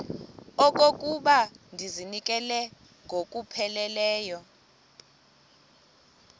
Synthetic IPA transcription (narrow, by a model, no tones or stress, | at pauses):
ɔk̬ʼok̬ʼuɓandʱizinik̬ʼɛlɛ | ŋɡʱok̬ʼupʰɛlɛlɛːjɔ